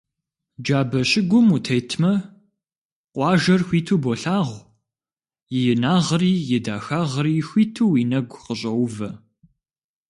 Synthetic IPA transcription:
d͡ʒaːbɐɕʼɪɡʷʊmutʰɐjtʰmɐ | qʷʼɑːʒɐrxʷiːtʰuːboɬaːʁʷ | jɪjɪnaːʁriːjɪdaːxaːʁəriːxʷiːtʰuːiːnɐɡʷqəɕʼɐwʷʊvɐ

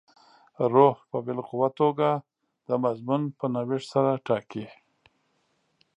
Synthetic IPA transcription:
ɾohpəbɪlqʊwat̪oɡa | d̪̥əmazmunpənawɪʂsaɾaʈɑki

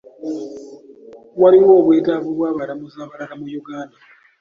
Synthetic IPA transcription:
waliwoːβweːtaβuβwaːβaɾamuzaːβaɾaɾamujuɡaːnda

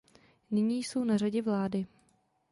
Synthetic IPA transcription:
nɪɲiːjsownaraɟɛvlaːdɪ

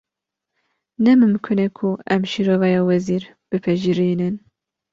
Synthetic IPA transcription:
nɛmɨmkʰɨnɛkʰuɛmʃiɾoːvɛjɑːwɛziːɾ | b̥ɨpʰɛʒiɾiːnɨn

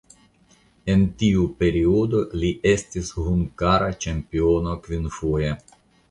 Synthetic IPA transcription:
e̞ntiupe̞ɾio̞do̞liʔe̞stishuŋɡaɾat͡ʃempionokvinfoje

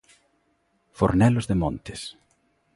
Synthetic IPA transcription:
fo̰ɾnɛlʊzðemõnt̪ɪs

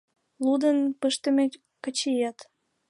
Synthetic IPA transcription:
lud̪ənpəʃt̪əme | kət͡ɕijɑt̪

